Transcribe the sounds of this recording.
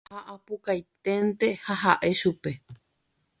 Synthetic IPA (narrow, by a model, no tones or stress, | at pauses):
aʔapukajt̪ent̪e̞haɦaʔe̞ʃupe̞